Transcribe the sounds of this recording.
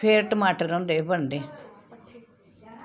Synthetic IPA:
pʰeːɾʈəmaːʈəɾõːnd̪eːbəɳd̪eː

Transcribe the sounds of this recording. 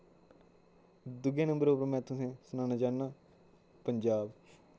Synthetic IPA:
d̪ʊɡẽːnə̃mbəɾoːpəɾmɛ̃ːt̪ʰʊsẽːsʊnãːnaːd͡ʒaːnːaː | pəɲd͡ʒaːb

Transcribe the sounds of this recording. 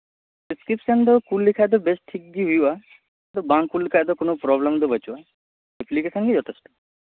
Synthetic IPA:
ɖiskɾipsənd̪ɔkulːikʰajd̪ɔbesʈʈʰːik̚ɡiɦuja | d̪ɔbãŋkkːulːikʰajd̪ɔkonɔpɾɔblemd̪ɔbət͡ʃuʋa | eplikesənkid͡ʒɔt̪ʰesʈɔ̥

